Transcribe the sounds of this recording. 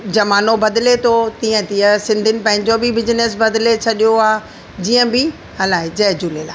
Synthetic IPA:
d͡ʑɐmaːnobɐd̪ɪlet̪ʰot̪ĩːə̃t̪ijəsɪ̃nd̪ʱɪnɪ̆pɐ̃ɦɪ̃ɲd͡ʑobɪbɪd͡ʑɪnes̬bɐd̪let͡ɕʰɐɗijoaː | d͡ʑiːə̃bɪ | ɦɐlaːɦɪd͡ʑɐɦd͡ʑuːleːlaː

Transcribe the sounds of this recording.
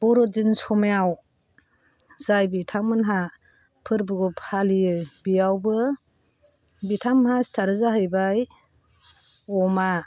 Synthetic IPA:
b̥ɔɾɔzinsɔmeaw | z̥ajbitʰaŋmɯnɦa | pʰɯɾbɯɡɔpʰhalijɯbijawbɯ | bitʰamɦastʰaɾɯzaɦɯjbaj | ɔma

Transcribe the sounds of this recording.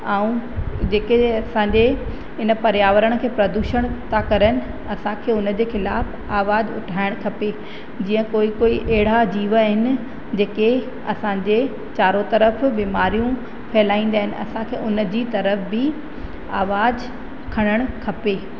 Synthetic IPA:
aːũd͡ʑeːkeɐsãːɲd͡ʑe | ɦɪnə̆pɐɾjaːʋəɾəɽ̃kʰeːpɾɐd̪uːʃəɽ̃t̪ʰakɐɾənɪ̆ | ɐsãkʰeːʊnəd͡ʑeːxɪlaːf | aːʋaːd͡ʑʊ̰ʈʰaːɪɽ̃kʰɐpe | d͡ʑiːə̃koːikoːiʔɛɦɽ̤ad͡ʑiːʋəɦɪnɪ̆ | d͡ʑeːke | ɐ̰sãːɲd͡ʑe | t͡ɕaːɾot̪ɐɾəfbiːmaːɾijũ | fʰɛɦɪlaːĩːn̆d̪aːɦɪnɪ̆ɐ̰sãkʰeːʊnə̆d͡ʑiːt̪ɐɾəfbɪ | aːʋaːd͡ʑ | kʰɐɽ̃əɽ̃kʰɐpeː

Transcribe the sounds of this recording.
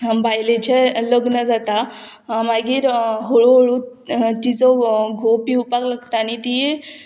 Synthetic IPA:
bajlet͡ɕeləɡnəd͡zat̪a | maɡiːɾɦoɭoɦoɭu | t̪it͡sɔɡʱopiupakləɡt̪anit̪ije

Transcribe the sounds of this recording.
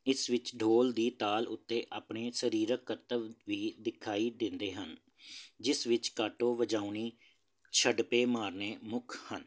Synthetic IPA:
ɪsʋɪt͡ʃɖʱoːld̪iːt̪aːlʊ̰t̪ːeːʔaːpɳeːsəɾiːɾəkːət̪əʋʋiːd̪ɪkʰaːiːd̪ɪ̃nd̪eːɦən | d͡ʒɪsʋɪt͡ʃkaːʈoːʋəd͡ʒaːuniː | t͡ʃʰəɖpeːmaːɾneːmʊkʰhən

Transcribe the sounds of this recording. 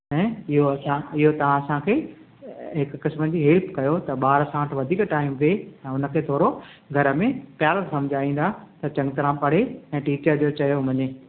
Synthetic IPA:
ɛ̃ːɪɦoɐsãɪɦot̪ɐʋ̤ãɐsãkʰeː | ɦɪkːɪsmənd͡ʑiːɦelpkɐjot̪ɐɓaːɾsãːʈʰʋɐd̪ʱiːkʈaːɪmʋeɛ̃ːʊnə̆kʰeːt̪ʰoːɽo | ɡʱɐɾəmẽpjaːlət̪sɐ̃md͡ʑʱaːĩːn̆d̪at̪ɐt͡ɕɐ̃ŋɡt̪ɐɾãpɐɽ̤eɛ̃ːʈiːt͡ɕəɾd͡ʑoːt͡ɕɐjomɐɲe

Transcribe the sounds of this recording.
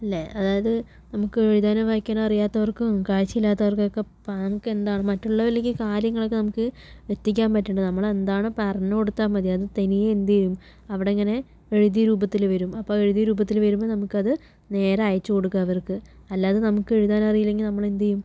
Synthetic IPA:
ɐlːeʔɐðaːjɐðɨ | nɐmukːɨeɻiðaːnɐʋaːjikʲːaːnɐrijaːt̪ːɐʋɐrkukaːɻt͡ɕːiilːaːt̪ːɐʋɐrkɐkːepːanɐŋukːɨe̞nd̪aːɳɨmɐtːuɭːɐʋɐlek̬ʲːɨkaːɾjɐŋːɐɭokːɨnɐmukːɨ | ʋet̪ːik̬ʲːaːnpɐtːuɳɖɨnɐmːɐɭe̞nd̪aːɳɨpɐrɐnːɐko̞ɽut̪ːaːmɐd̪jɐɐðɨt̪enijeend̪ijjum | ɐʋiɽe̞ŋːɐne̞ | eɻiðijɐɾuːbɐt̪ːilʋɐɾumɐpːo̞ːe̞ɻiðijɐɾuːbɐt̪ːilʋɐɾumːonɐmukːɨɐðɨ | ne̞ːɾɐaːjɐt͡ɕːɨko̞ɽukːaːʋɐrkɨ | ɐlːaːðɨnɐmukːɨeɻiðaːnɐɐrijilːe̞ŋɡilnɐmːɐɭend̪ijum

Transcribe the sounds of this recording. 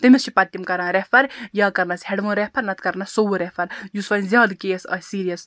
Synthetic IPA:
t̪emʲist͡ʃʰipɐt̪ːimkɐɾãːɾepʰɐɾjaːkɐɾnɐsheɽmɐːnɾepʰɐɾnɐt̪kɐɾnɐssowuɾepʰɐɾjusɐnzʲjaːd̪keːsɐ̰siːɾijɐs

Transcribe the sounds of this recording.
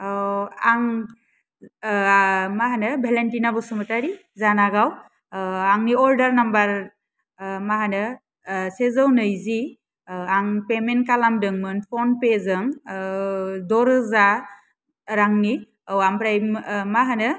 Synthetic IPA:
waŋ | maɦanɯbʱelentinabɔsɯmɯtaɾi | zanaɡaw | aŋniɔldaɾnambaɾ | maɦanɯ | sezɯwnɯjzi | aŋpemenkalamdɯŋmɯnpʰɔnpezɯŋ | dɔɾɯza | ɾaŋni | awampɾajmaɦanɯ

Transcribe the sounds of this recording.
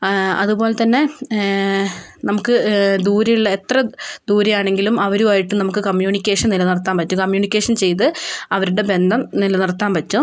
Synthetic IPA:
ɐ̰ðubo̞ːle̞t̪ɐnːe̞ | nɐmukːɨd̪uːɾɐjuɭːɐe̞t̪rɐd̪uːɾɐjaːɳe̞ŋɡilumɐʋɐɾuaːjiʈːumnɐmukːɨkɐmjuːɳikʲːeːʂɐnnilɐnirɐt̪ːaːnpɐt͡ɕːukɐmjuːɳikʲːeːʂɐnt͡ɕe̞jt̪̬ɨɐʋɐɾuɽe̞be̞nd̪ʱɐmnilɐnirɐt̪ːaːnpɐtːu

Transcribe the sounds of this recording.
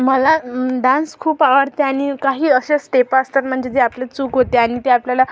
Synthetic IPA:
məlaɖãnskʰuːpaʋəɽt̪eaɽ̃ikaɦiːəɕesʈepaəst̪ət̪̚m̤əɳd͡ʑet̪eapljet͡suːkɦot̪eaɽ̃it̪eapljala

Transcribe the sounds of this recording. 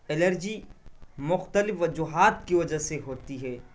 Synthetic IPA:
ɪləɾd͡ʒimʊxt̪əlɪfʋɐd͡ʒuɦaːt̪kiʋɐd͡ʒaseɦoːt̪iɦɛː

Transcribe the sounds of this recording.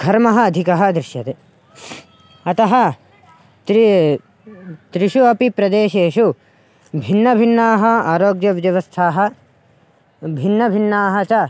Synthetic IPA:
ɡʰʱɐɾmɐɦɐːd̪ʱikɐɦɐ̆d̪ɾɪʃjɐt̪e | ɐt̪ɐɦɐ | t̪ | t̪ɾiʃuɐpipɾɐd̪eːʃeːʃu | bʱinːɐbʱinːaːɦɐaːɾoːɡjɐʋd͡ʒɐʋɐst̪ʰaːɦɐ̆ | bʱinːɐbʱinːaːɦɐt͡ʃɐ

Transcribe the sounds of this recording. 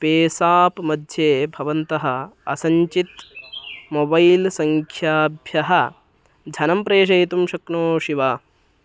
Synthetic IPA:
peːsaːpmɐd̪ʱjeːbʱɐʋɐnt̪ɐɦɐ̆ɐsɐɲt͡ʃit̪ | mobɐjlsɐŋkʰjaːbʱjɐɦɐ̆ | d͡ʒʱɐnɐmpɾeːʃ̬ɐjt̪umʃɐkɳoːʃiʋaː

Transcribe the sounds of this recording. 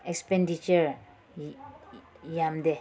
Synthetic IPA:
ekspendit͡ʃəɾ | jamd̪e

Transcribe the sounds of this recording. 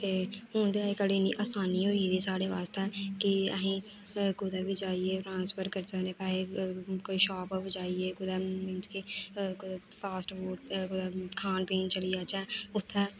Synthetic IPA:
t̪eːhʊːnd̪eaːikəliːnḭːʔaːsaːniːɦoːid̪iːsaːɽeːʋaːst̪eːkɪə̰ɦĩː | kʊd̪aːbiːd͡ʒaːieːʈɾãːnspʰəɾkəɾsəneːpɛːlekoːiːʃɔːpːbid͡ʒaːieːkʊd̪aːmɪ̃nt͡ʃkikʊd̪ | pʰaːsʈboːʈ̚kʊd̪aːkʰaːnpiːnt͡ʃəlijaːt͡ʃɛːʊt̪ʰːɛː

